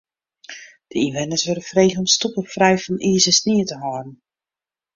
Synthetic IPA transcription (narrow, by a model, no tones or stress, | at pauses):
d̥əiʋɛnəsʋøɾəfreːɣənɔmstupəfrɛjfɔnʔiəzəsniətəɦɔːrn̩